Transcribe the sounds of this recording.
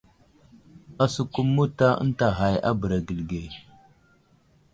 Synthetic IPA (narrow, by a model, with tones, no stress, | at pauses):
a˨su˨ku˦mːu˦ta˦ə̰˦n˦ta˨ɦa˨ja̰˦bə˨ɾa˨ɡi˨lɡe˨